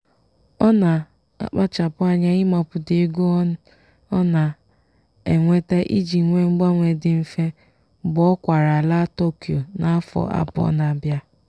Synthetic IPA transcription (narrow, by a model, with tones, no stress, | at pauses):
ɔ˦na˨ | a̰˨k͡pa˦t͡ʃa˨pʊ˦a˦ɲa˦ɪ˦mɔ˦pʊ˨dɪ˨˦ɡo˦ɔ˦n̩˦ | ɔ˦na˨ | ḛ˨ŋʷe˦te˦ʔi˦d͡ʒi˨ŋʷe˦ŋ͡m̩˦ɡ͡ba˦ŋʷe˨dɪ˨m̩˦fe˦ | bɔ˦kʷa˨ɾa˨la˦to˦ki˨o˨na˦a˦fɔ̰˨ʔa̰˦bɔ̰˦na˨bja˦